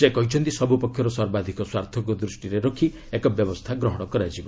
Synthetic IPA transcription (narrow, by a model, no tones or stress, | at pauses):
sekɔjt͡ʃʰɔnt̪isɔbupɔkʰːjɔɾɔsɔɾbad̪ʱikɔswaɾt̪ʰɔk̬ud̪ɾusʈiɾeɾɔkʰi | ekɔbjɔbɔst̪ʰaɡɾɔɦɔɽ̃ɔkɔɾajd͡ʒibɔ